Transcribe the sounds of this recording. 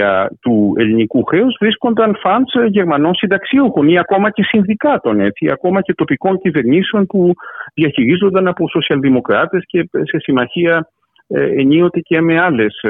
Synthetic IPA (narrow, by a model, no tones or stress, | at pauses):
ɐ̰t̪ue̞̰linikuxe̞uzvɾisko̞nd̪ɐnfɐnsʝe̞ɾmɐno̞nsind̪ɐksiuxo̞niɐko̞mɐce̞sinðikɐt̪o̞ne̞t͡siɐ̰ko̞mɐce̞t̪o̞piko̞ɲcive̞ɾɲisio̞npuðiɐçiɾizo̞nd̪ɐnɐpo̞so̞siɐlðimo̞kɾɐt̪e̞sce̞se̞simɐçiɐ | eɲio̞t̪e̞ce̞me̞ɐle̞s